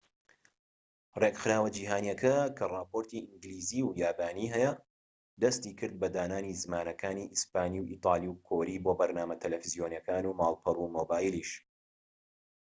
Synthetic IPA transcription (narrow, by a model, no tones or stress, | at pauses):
reɡxɨɾaːwɐd͡ʒiːɦaːnijɐkʰɐkʰɐrˤɑːpoɾt̪iʔɨŋɡliːziːwjaːbaːniɦɛjɐ | d̪ɐst̪iːkʰɨɾd̪̚bɐd̪aːnaːnizɨmaːnɐkʰaːniːʔispaːniwʔiːt̪ʰˤɑːlˠiwkʰoːɾiːboːbɐɾnaːmɐt̪ʰɐlɛfizijonjɐkaːnuːmaːlˠpʰɐruːmoːbaːjiliʃ